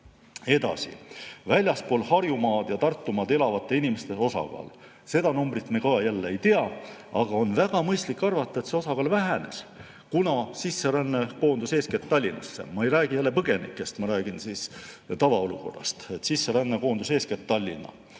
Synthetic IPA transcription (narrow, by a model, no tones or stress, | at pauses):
e̞d̪ɑ̰sḭvælʲjɑspo̞ːlhɑrjumɑːd̪̥jɑt̪ɑrt̪ːumɑːd̪e̞lɑvɑt̪ːˑe̞inimest̪e̞o̞sɑ̰ɡ̥ɑ̰ːl | se̞d̪ɑnumbrit̪mekɑːjælːeejt̪eɑɑɡ̥ɑo̞nvæɡ̥ɑmɤjst̪likːɑrvɑt̪ˑːɑe̞t̪se̞o̞sɑɡ̥ɑːlvæɦene̞̰s | kunɑsisːeɾænːeko̞ːnd̪̥use̞ːsket̪t̪ːɑlʲːinɑ̰sːḛmɑe̞jɾæːɡ̥ijælːe̞pɤɡ̥e̞nḭkːˑe̞st̪mɑɾæːɡ̥insiːst̪ɑvɑo̞luko̞̰rːɑ̰st̪et̪sisːeɾænːeko̞ːnd̪use̞ːsket̪t̪ːɑlʲːḭnːɑ̰